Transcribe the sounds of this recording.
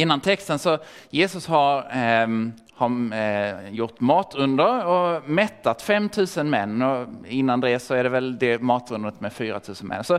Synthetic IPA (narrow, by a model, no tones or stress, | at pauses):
ɪnːant̪ʰɛkst̪ənsɔ | jeːsɵshaɾ | haɾ | jʊʈːmɑːt̪ʰɵnd̪əɾɔmɛt̪ːat̪fɛmt̪ʰʉ̟ːsənmɛnːɔɪnːand̪ɛsɔæɖɛvɛld̪ɛmɑːt̪ɵnd̪əɾət̪mɛfyːɾa̰t̪ʰʉ̟ːsənmʔɛ̰nːsɔ